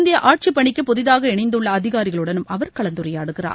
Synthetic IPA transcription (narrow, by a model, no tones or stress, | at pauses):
nd̪ɪjɐʔaːʈ̚t͡ʃipːɐɳɪkːɯpːɔðɪðaːɣɐɛɳɐɪnd̪ɯɭːɐːðɪɣaːɾɪɣɐɭɯɽɐnɯmɐʋɐɾkɐɭɐnd̪ɯɾɐjaːɽɯɣɪra̰ː